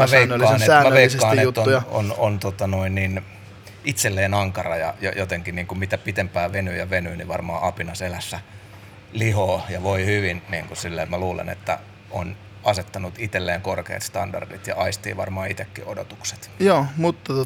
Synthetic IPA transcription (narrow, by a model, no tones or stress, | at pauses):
mɑʋeilːɑːnet̪æːmæʋeiskssːɑːeut̪ːojo̰nont̪ot̪ɑnoinnin | it̪selːeːnɑŋkɑrɑjɑ̰jɑjot̪eŋkiniːŋkumit̪æpit̪empæːʋenyjɑʋenyːniʋɑ̰rmɑ̰ːɑpinɑselæsːæ | lihoːjɑʋoihyʋinnḭːŋkusilːeːmæluːlḛnḛt̪ːæ̰ | o̰n | ɑset̪ːɑnut̪it̪elːeːŋkorkḛːt̪st̪ɑndɑ̰rdit̪jɑ̰ɑist̪ḭːʋɑ̰rmɑːit̪ekːiodot̪ukse̥t̪joːmut̪ːɑo